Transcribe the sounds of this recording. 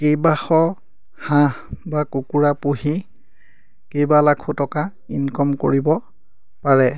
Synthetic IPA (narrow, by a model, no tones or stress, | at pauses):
kejbaxɔ | hã | bakukuɹapuɦi | kejbalakʰutɔka | inkɔmko̰ɹibɔ | paɹɛ